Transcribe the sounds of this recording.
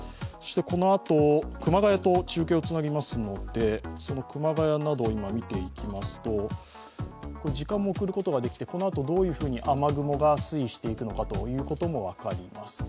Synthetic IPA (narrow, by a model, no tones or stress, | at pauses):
soɕi̥t̪e̞ko̞no̞at̪o̞kɯ̟maɡajat̪o̞t͡ɕɨːke̞ot͡sɨnaɡʲimasɨno̞d̪̥e̞so̞no̞kɯ̟maɡajanad̪o̞imamʲit̪e̞ikʲimasɨ̥t̪o̞ | kod͡ʑikãmːo̞ːkɯ̟ɾɯ̟ko̞t̪o̞ɡad̪e̞kʲi̥t̪e̞ko̞no̞at̪o̞d̪o̞ːjɯ̟ːɸɯ̟ːɲ̟iʔamaɡɯ̟mo̞ɡasɨiɕi̥t̪e̞ikɯ̟no̞kat̪o̞̰jɯ̟ːko̞t̪o̞mo̞β̞akaɾʲimasɨ̥